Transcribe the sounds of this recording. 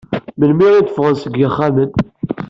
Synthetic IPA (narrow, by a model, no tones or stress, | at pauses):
məlmiʁiθəfʁənsəɡjəχːæmən